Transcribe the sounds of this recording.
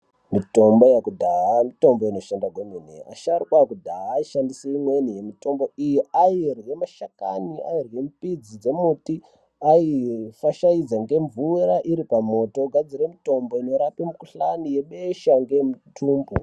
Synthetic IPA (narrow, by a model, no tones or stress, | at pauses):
mito̞mbo̞jakudʱaamito̞mbo̞ino̞ʃandaɡweminea̰ʃarikwakudʱaiʃandiseimwenije̞mito̞mbo̞ijiairwe̞maʃaka̰nia̰irwe̞m̩pid͡zid͡ze̞muti | aifaʃaid͡zaŋɡe̞ɱvuɾaʔiɾipamo̞to̞ɡʱad͡ziɾemito̞mbo̞ino̞ɾapemukuɬanije̞ɓeʃaŋɡemutʰuːmbu